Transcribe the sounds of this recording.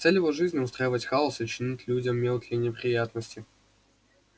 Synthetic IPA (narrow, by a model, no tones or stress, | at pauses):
t̪sɛlʲjɪvoʐɨzʲnʲɪʊst̪ɾajɪvətʲxalˠəsɪt͡ɕɪnʲitʲlʲudʲəmːʲelˠt̪ʲlʲəjnʲɪpɾʲɪjat̪nəsʲtʲɪ